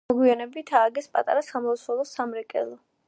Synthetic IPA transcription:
ɔɡwianɛbit̪ʰaːɡɛspʼat̪ʼa̰ɾasamɔlˠɔsɔlˠɔsamɾɛkʼɛ̰lˠɔ

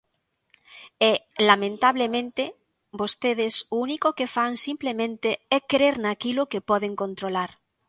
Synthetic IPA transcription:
ɛlamẽnt̪aβ̞lemẽnt̪e | bost̪eð̞esounikokefansimplemẽnt̪eɛkɾeɾnakilokepɔðeŋkõnt̪ɾolaɾ

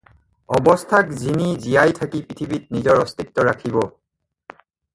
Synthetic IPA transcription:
ɔbɔstʰakzinizijajtʰakipɹitʰibit̚nizɔɹɔstʰit̚tːɔɹakʰibɔ

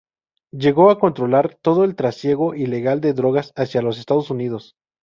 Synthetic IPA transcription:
ɟ͡ʝe̞ɣo̞ako̞nt̪ɾo̞laɾt̪o̞ð̞o̞e̞lt̪ɾasje̞ɣo̞ʔile̞ɣald̪e̞ðɾo̞ɣasasjalo̞se̞st̪að̞o̞sunið̞o̞s

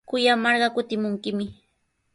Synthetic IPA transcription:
kʊjamɑɾɢɑkʊt̪ɪmʊŋkɪmɪ

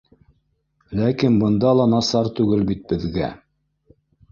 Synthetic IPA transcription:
lækinbɤ̆nd̪ɑlˠɑnɑsɑɾt̪ʉɡɘlbit̪̚bɘ̆ðɡæ̰

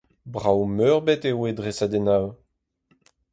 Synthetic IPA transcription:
bʁawmœʁbɛt̪ewedʁesad̪enaw

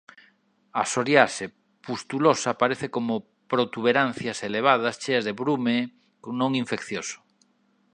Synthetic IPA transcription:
asoɾjaʃe | pust̪ulosapaɾeθekomʊ | pɾot̪uβeɾan̟θjaseleβ̞að̞ast͡ʃeazðeβɾume | knõŋiɱfekθjosʊ̥

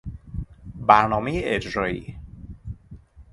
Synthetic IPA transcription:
bæɾnɒːmejeʔed͡ʒɾɒːḭː

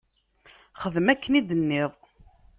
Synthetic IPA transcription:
χəðmækʰːənid̪ənːɪðˤ

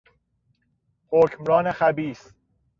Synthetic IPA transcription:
hocʰmɾɒːnexæbiːs

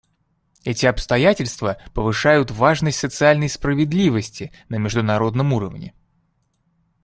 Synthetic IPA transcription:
ɛtʲɪɐpst̪ɐjætʲɪlʲst̪vəpəvɨʂajʊt̪vaʐnəsʲtʲsət̪sɨalʲnəjspɾəvʲɪd̪lʲivəsʲtʲɪ | nəmʲɪʐd̪ʊnɐɾo̞d̪nəmuɾəvnʲɪ̰

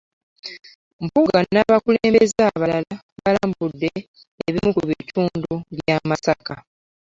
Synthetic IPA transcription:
mpuɡanːaβakuleːmbezaːβalala | βalaːmbudːe̞ | eβimukuβitʰuːnduβjaːmasaka

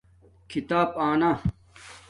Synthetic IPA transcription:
kʰit̪aːpaːna

